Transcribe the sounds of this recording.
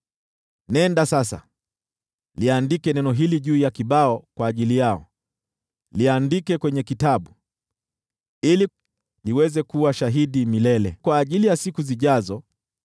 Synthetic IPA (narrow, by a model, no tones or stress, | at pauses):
nɛndasasa̰ | liandikɛnɛnɔɦiliʄuːjakiɓaɔkwaːʄilijaɔ̰ | liandikɛkwɛɲɛkitaɓu | ili | liwɛzɛkuwaʃaɦiɗimilɛlɛ̰kwaːʄilijasikuziʄazɔ